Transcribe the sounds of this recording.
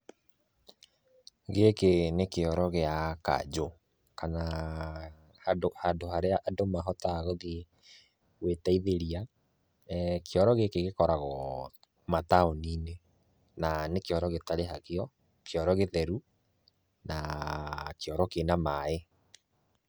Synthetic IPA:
ɣekenekeɔɾɔɣeaka̰d͡ʑo | kana | hadohadohaɾeaʔːdomaɦɔtaɣɔɣe | ɣwetaiðeɾia | kʰeɔɾɔɣekeɣekɔɾaɣɔ | mataoniːne | nanekeɔɾɔɣetaɾeɦakeɔ | keɔɾɔɣeðɛɾu | na | keɔɾɔkenamae

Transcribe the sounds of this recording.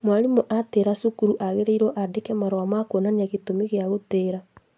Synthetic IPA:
mwaɾimoʔateɾasukuɾuʔaɣeɾeiɾɔʔadekɛmaɾɔamakonaneaɣetomeɣeaɣoteːɾa

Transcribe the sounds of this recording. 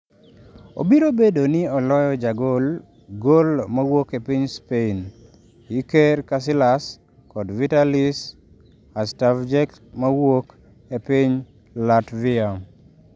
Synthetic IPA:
o̰biɾobedonɪɔlɔjɔd͡ʒaɡol | ɡolmawokepiɲspein | jikerkas̬ɪlas | kɔdvitalis | astafd͡ʒɛk | mawok | epiɲ | latviam

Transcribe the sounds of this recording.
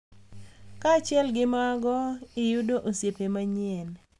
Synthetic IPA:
kat͡ʃɪɛlɡɪmaɡɔɪjudoʔosjepemaɲɛn

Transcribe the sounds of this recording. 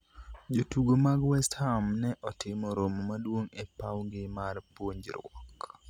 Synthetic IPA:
d͡ʒotuɡomaɡwɛsthamnɛʔɔtʰɪmɔɾommadwoŋepawŋɡɪmarpwoɲd͡ʒɾwɔ̰k

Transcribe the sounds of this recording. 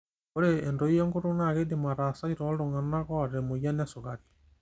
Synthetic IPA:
oɾeendoijɔŋɡoɾonaɣedemaɾasaiɾɔloŋanaɣɔɾemojanasoɣaɾi

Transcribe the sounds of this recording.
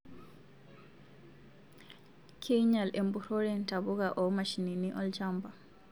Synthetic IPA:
kʰɛɲalʔɛmbuɾoɾɛntabuɡaʔɔmaʃininiʔɔld͡ʒamba

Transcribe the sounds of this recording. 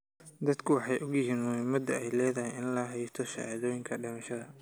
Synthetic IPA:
d̪ɐd̪kʰʊwɑħɑjʔʊɡjɪɦiːnmʊhɪmɐd̪ɐɛjlɛːðɐɦɪjɪnlɐɦɛjst̪ʰɔʃɑ̰ʕa̰ːðɔːjɪŋkʰɐɖɪmɐʃɐðɐ

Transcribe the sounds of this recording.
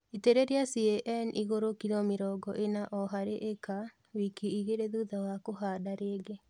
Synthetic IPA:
eteɾeɾeasiɛʔɛniɣoɾokiɾɔmeɾɔːɡɔ̰ʔenaʔɔɦaɾeʔeka | wikiiɣeɾeðuðawakoɦaːdaɾeːɡe

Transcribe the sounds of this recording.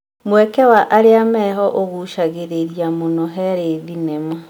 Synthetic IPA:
mwɛkɛwaʔaɾeamɛɦɔʔoɣuʃaɣeɾeɾjamonɔɦɛɾeðinema

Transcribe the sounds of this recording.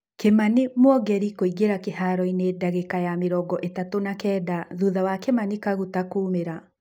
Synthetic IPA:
kemanemwɔɡɛɾikoiɡeɾakehaɾɔineːdaɣekajameɾɔɡɔʔetatonakɛːdaðuðawakemanikaɣutakoːmeɾa

